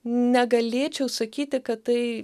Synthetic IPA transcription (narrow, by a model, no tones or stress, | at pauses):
nʲɛɡɐlʲeːt͡ʃʲɛʊsɐkʲiːt̪ʲɪkɐtt̪ɐɪ